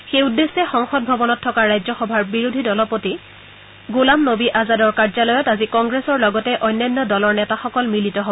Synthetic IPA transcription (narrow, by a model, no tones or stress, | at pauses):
xejudːesːɛxɔŋxɔd̚bʱɔbɔnɔtʰːɔkaɹːajzɔxɔbʱaɹbiɹudʱidɔlɔpoti | ɡulamnobiʔazadɔɹkaɹzalɔjɔtazikɔŋɡɹesɔɹlɔɡɔtɛʔɔjnjanːɔdɔlɔɹnɛtaxɔkɔlmilitɔɦobɔ